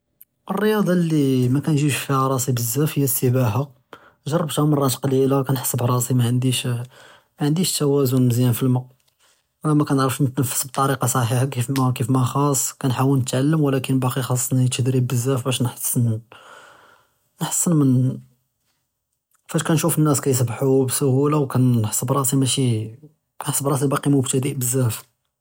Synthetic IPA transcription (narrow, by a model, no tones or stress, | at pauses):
ʔərˤːəjɑd̪ˤɑlːimækænʒiʃfiæɾˤɑsibəzːæfhəjːæsəbæɦa | ʒɑrˤːɑbt̪hæmɑrˤːɑt̪qɑlilakænħə̥sˤːəbɾˤɑsimæʕənd̪iʃ | mæʕənd̪iʃt̪æwæzʊnməzjænfilmɑ | mækænəʕɾəfʃnət̪nəfːə̥sb̚t̪ˤɑɾiqɑsˤɑħiħakifmækifmæxɑsˤkænħawəlnət̪ʕalːəmwlækənbɑqixɑsˤːnjt̪d̪ɾibbəzːæfbæʃnħə̥sːən | nəħə̥sːənmən | fæʃkænʃufənːæskæjs̬əbħubsʊhulawkænħə̥sːˤəbɾˤɑsimæʃi | kænħəsːəbɾˤɑsibɑqimʊbt̪æd̪iʔbəzːæf